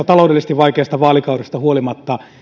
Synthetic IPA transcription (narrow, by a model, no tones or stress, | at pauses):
ɑt̪ɑloˑudelist̪iʋʋɑikeɑst̪ɑʋɑːlikɑurost̪ɑhuolimɑt̪ːɑ